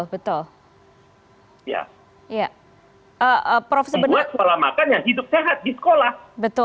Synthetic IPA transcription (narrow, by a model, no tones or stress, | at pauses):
lbət̪ʊl | ja̰ | ja | ʔəəpɾofes̬ɔrbəat̪̚skolahma̰kanjaɦidʊp̚seɦat̪̚disə̥kolahbət̪ʊ